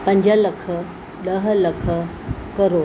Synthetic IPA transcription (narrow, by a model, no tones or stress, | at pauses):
pɐ̃ɲd͡ʑəlɐkʰə | ɗɐɦlɐkʰə | kəɾoː